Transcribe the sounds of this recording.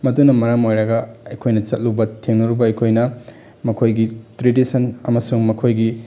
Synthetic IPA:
mɐdunɐmɐɾamojɾɐɡɐɐjkʰojnɐt͡ʃɐt̚lubɐtʰeŋnɐɾubɐɐjkʰojnɐ | mɐkʰojɡitɾedisɐnɐmɐsuŋmɐkʰojɡi

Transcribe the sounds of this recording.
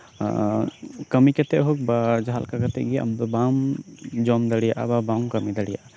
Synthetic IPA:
kəmikɛt̪ɛʔɦɔk̚bad͡ʒaɦalkakat̪ɛ̰ʔɡia̰mbbamd͡ʒɔmd̪əɽijaʔa̰babaŋkəmid̪aɽija̰ʔa

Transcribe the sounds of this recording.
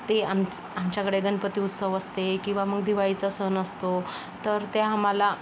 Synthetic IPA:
t̪eam | amt͡ɕjakəɽeɡənpət̪iːut̪səʋəst̪ekĩw̃ʋaməɡd̪iʋait͡sasənəst̪o | t̪əɾt̪eamala

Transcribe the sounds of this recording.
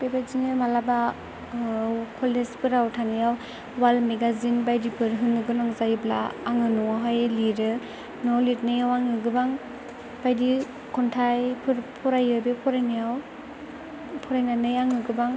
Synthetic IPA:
pebaziŋɯmalaba | wkʰɔlespʰɯɾawtʰanijaw | walmeɡazinbajdipʰɯɾɦɯnɯɡɯnaŋzajblaːŋɯnɔŋaɦajliɾɯ | nɔlitnɯjawaŋɯɡɯbaŋ | b̥ajdi | kʰɔntʰajpʰɯɾpʰɔɾajɯbepʰɔɾajnɯjaw | pʰɔɾajnanɯjaŋɯɡɯbaŋ

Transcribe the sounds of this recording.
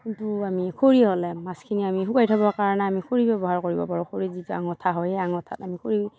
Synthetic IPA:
kintuamikʰoɹiɦɔlɛmaskʰiniamiɦukajtʰabɔkaɹɔnɛamikʰoɹibɛbɔɦaɹkoɹibɔpaɹɔkʰoɹizitua̰ŋɔtʰaɦɔjaŋɔtʰatamikʰoɹi

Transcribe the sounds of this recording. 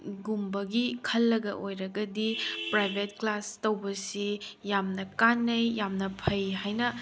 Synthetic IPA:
ɡumbɐɡikʰɐlːɐɡɐ̰ʔojɾɐɡɐdipɾajbʱetklastɐwbɐsijamnɐkanːɐjjamnɐpʰɐjɦajnɐ

